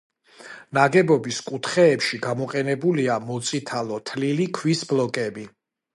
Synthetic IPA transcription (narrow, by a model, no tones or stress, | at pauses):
naɡɛbɔbiskʼut̪ʰχɛːpʃiɡamɔqʼɛnɛbuliamɔt̪sʼit̪ʰalˠɔt̪ʰlilikʰwisblɔkʼɛbi